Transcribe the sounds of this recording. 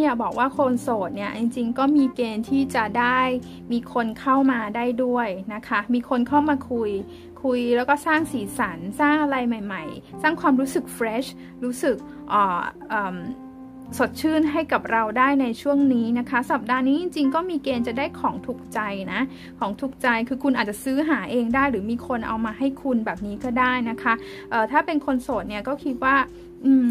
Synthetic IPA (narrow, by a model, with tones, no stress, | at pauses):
ni˥˩əbɔː˨˩k̚waː˥˩kʰoː˧nsoː˨˩t̪̚ni˥˩ɐt͡ɕi˧ŋt͡ɕi˧ŋkɔː˥˩miː˧keː˧nt̪ʰiː˥˩t͡ɕa˨˩daː˥˩j | miː˧kʰo˧nkʰa˥˩wmaː˧daː˥˩jdu˥˩əjna˦˥kʰa˦˥miː˧kʰo˧nkʰa˥˩wmaː˧kʰu˧j | kʰu˧jlɛː˦˥wkɔː˥˩saː˥˩ŋsiː˩˦sa˩˦nsaː˥˩ŋʔa˧ɾa˧jma˨˩jma˨˩jsaː˥˩ŋkʰwaː˧mɾuː˦˥sɯ˨˩k̚fɾeː˦˥ɕ | ɾuː˦˥sɯ˨˩k̚ | ʔɔː˨˩ʔɤː˨˩m | so˨˩t̪̚t͡ɕʰɯː˥˩nɦa˥˩jka˨˩p̚ɾa˧wdaː˥˩jna˧jt͡ɕʰu˥˩əŋniː˦˥na˦˥kʰa˦˥sa˨˩p̚daː˧niː˦˥t͡ɕi˧ŋt͡ɕi˧ŋkɔː˥˩miː˧keː˧nt͡ɕa˨˩daː˥˩jkʰɔː˩˦ŋt̪ʰu˨˩k̚t͡ɕa˧jna˦˥ | kʰɔː˩˦ŋt̪ʰu˨˩k̚t͡ɕa˧jkʰɯː˧kʰu˧nʔaː˨˩t͡ɕa˨˩sɯː˦˥ɦaː˩˦ʔeː˧ŋdaː˥˩jɾɯː˩˦miː˧kʰo˧nʔa̰˧wmaː˧ɦa˥˩jkʰu˧nbɛː˨˩p̚niː˦˥kɔː˥˩daː˥˩jna˦˥kʰa˦˥ | ʔɤː˨˩t̪ʰaː˥˩pe˧nkʰo˧nsoː˨˩t̪̚ni˥˩ɐkɔː˥˩kʰi˦˥t̪̚waː˥˩ | ʔɯː˧m